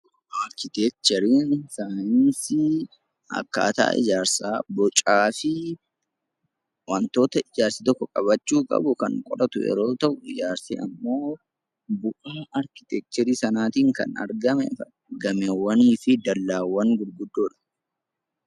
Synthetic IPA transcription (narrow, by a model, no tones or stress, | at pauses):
ʔaɾkɪt̪ɛk̚t͡ʃ̪ɛɾiːnsaːjɪnsɪ | ɐ̰kːa̰ːt̪a̰ːʔɪ̰d͡ʒaːɾsaːbɔt͡ʃʼaːfɪ | wɐnt̪o̞ːt̪ɐʔɪd͡ʒaːɾsit̪ɔkːɔkʼɐbɐt͡ʃːuːkʼɐ̰bʊkɐŋkʼɔɗɐt̪ʊjɛ̰ɾo̞ːt̪ɐʔʊɪd͡ʒaːɾsḭʔɐmːo̞ː | bʊʔaːɐɾkɪt̪ɛk̚t̪ɛɾiːsɐnaːt̪iːŋkɐ̰nɐ̰ɾɡɐmɛ̰ | ɡɐmɛwɐniːfɪd̪ɐlːaːwːɐŋɡʊɾɡʊd̪ːoːᶑɐ̥